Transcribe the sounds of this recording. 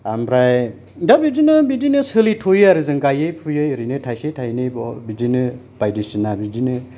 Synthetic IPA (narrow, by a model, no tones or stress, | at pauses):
ambɾaj | dabid͡ʒinɯbidinɯsɯlitʰojaɾɯzɯŋɡajɯjpʰujɯjɾɯnɯtʰajsetʰajnɯbɔbidinɯ | b̥ajdisinabidinɯ